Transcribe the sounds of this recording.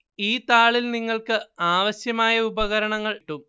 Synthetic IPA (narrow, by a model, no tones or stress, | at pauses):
iːt̪aːɭilniŋːɐɭkɨaːʋɐɕjɐmaːjɐubɐɣɐɾɐɳɐŋːɐɭʈːum